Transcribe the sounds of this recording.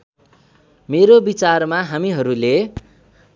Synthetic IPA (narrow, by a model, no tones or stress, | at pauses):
meɾobit͡sarmaɦamiɦʌɾule